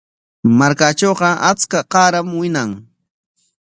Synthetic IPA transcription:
maɾkat͡ʃoːɢɑʔat͡skaqɑːɾamwɪnaŋ

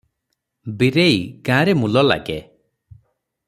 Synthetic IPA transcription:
biɾejɡãɾemulɔla̰ɡe

